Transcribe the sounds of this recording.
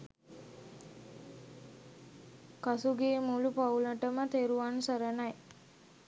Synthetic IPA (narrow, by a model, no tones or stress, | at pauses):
kasuɡeːmulupauləʈəmət̪eɾuʋansəɾənaj